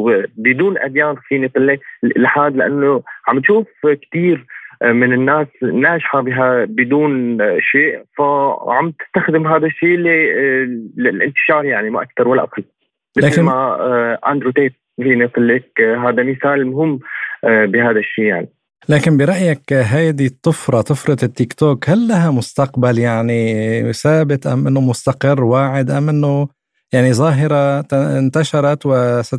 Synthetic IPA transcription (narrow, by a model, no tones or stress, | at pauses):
bɪd̪uːnʔa̰d̪jaːnfiːnɪt̪ˤlːɪkɪlħaːd̪laʔa̰nːoʕambt̪ʃuːfkt̪iːɾmɪnɪnːaːsnaːʒħabɪɦabɪd̪uːnʃeːʔfaʕamb̚t̪ɪ̥st̪axd̪ɪmɦaːd̪aʃːiːl | lɪlʔɪ̰nt̪ɪ̥ʃɑːɾˤjaʕnimaʔak̚t̪ɑɾˤwalːaʔa̰qɑlː | mɪaːmaʔa̰nd̪ɾut̪eːt̪̚finɪslːɪkɦaːd̪amɪθaːlmʊɦɪmː | bɪɦaːd̪aʃːiːja̰ʕni | laːkɪnbɪɾˤɑʔjakɦajd̪it̪ˤːʊfɾˤɑt̪ɨfɾˤɑd̪ɪt̪ːɪkt̪oːkhalːaɦamʊst̪aqbaljaʕnisaːbɪt̪ʔa̰mʔɪnːomʊst̪aqɪrːwaːʕɪd̪ʔamʔɪnːo | jaʕnizˤɑːɦɪɾˤɑt̪nt̪aʃɑɾˤɑt̪wɪsa